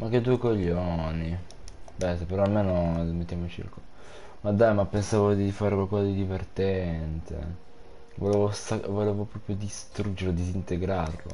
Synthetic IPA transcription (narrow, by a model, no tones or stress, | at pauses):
mak̟ːed̪ːuːekoʎːoni | bɛsapeɾɔalmeːnomet̪ːjamot͡ʃḭrkol | mad̪ajmapːensaːvod̪ifaːɾekwalkɔzad̪id̪ivert̪ɛɛnt̪ḛ | voleːvosavoleːvopɾɔːpɾjod̪ist̪ɾud͡ʒeɾlod̪izint̪eɡɾarlo̰